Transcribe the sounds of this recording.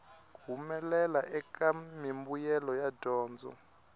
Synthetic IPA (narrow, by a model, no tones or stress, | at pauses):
ɡ̥ʱumɛlɛlaʔɛkʼamimbujɛlɔjadʱɔːnd͡zʱɔ̰